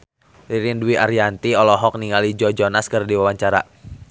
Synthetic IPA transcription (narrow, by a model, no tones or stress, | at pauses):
riɾinduwiʔaɾijant̪iɔlɔɦɔk̚niŋalid͡ʒɔd͡ʒɔnaskɨrdiwawaɲt͡ʃaɾa̰